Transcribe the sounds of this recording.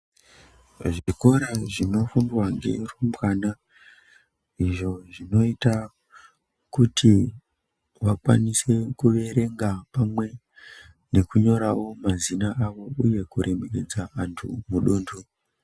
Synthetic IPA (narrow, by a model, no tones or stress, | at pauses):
ʐiko̞ɾaʐino̞fundwaŋɡḛrumbwana | iʐo̞ʐino̞ita | kutʰi | wakwa̰nise̞kuʋe̞ɾe̞ŋɡapamwe̞ | ne̞kuɲo̞ɾawo̞mazinaʔaʋo̞uje̞kuɾʔe̞meked͡zaantʰṵmuɗuːndu